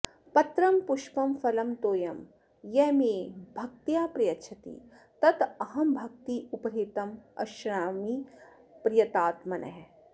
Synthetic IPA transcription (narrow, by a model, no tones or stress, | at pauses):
pɐt̪ɾɐmpʊʃpɐmfɐlɐmt̪oːjɐm | jɛːmeːbʱɐk̚t̪jaːpɾijɐtːʃʰɐt̪ḭː | t̪ɐt̪ɐɦɐmbʱɐk̚t̪iʔʊpɐɾɦeːt̪ɐmɐ̰ʃɾaːmiː | pɾɪjɐt̪aːt̪mɐnɐ̰ɦɛ